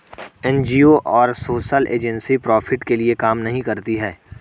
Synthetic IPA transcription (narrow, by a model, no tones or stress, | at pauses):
ɛ̃nd͡ʒioʔɔːɾsoːʃəlʔḛːd͡ʒə̃nsipɾɔːfʰɪʈkeliekaːmnɐɦĩkɐɾt̪iɦɛː